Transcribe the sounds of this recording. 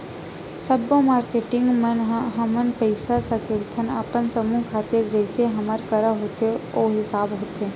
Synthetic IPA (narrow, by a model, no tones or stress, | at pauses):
səbomaːɾkeːʈɪ̃ŋɡmənɦɐmənpɛɪsasəkeːlt̪ʰənaːpənsəmũkʰaːt̪ɪɾd͡ʒɛɪseɦɐməɾkəɾaɦoːt̪eoːɦɪsaːbɦoːt̪eː